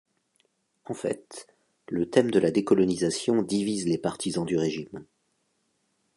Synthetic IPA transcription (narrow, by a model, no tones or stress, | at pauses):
ɑ̃fɛ̰t̪ | lət̪ɛmd̪əlad̪ekɔlɔnizasjɔ̃d̪ivizlepaʁt̪ʰizɑ̃d̪yʁeʒim